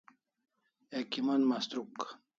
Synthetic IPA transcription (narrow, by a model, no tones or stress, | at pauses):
ekimanmast̪ɾuk